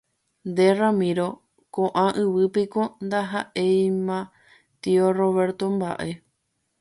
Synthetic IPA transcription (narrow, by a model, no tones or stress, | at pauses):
nd̪e̞ramĩɾo̞ | kõʔãʔɨʋɨpikond̪aɦaʔe̞jmã | t̪ioro̞βe̞ɾt̪o̞mba̰ʔe̞